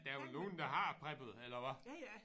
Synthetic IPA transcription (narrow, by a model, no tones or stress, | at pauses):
d̥æɐʋolno̝ːn̩d̥ɑ̈ɦɑ̈pʰʁɛb̥ð̩ˠelɐʋɑ